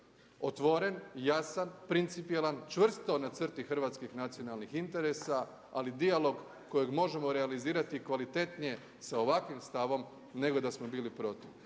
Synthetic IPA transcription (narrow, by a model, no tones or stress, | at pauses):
ot̪ʋo̞ɾe̞njasanpɾint̪sipielˠant͡ʃʋr̩st̪o̞nat̪sərt̪ixr̩ʋaːt̪skixnat̪sijo̞nalnixint̪e̞ɾe̞sa | alid̪ialo̞ɡ | kːo̞jeɡmo̞ʒemoɾealiziːɾat̪ikʋalit̪e̞t̪nije̞ | sao̞ʋakʋimst̪aʋo̞m | ne̞ɡo̞d̪asmo̞biːlipɾo̞t̪iʋ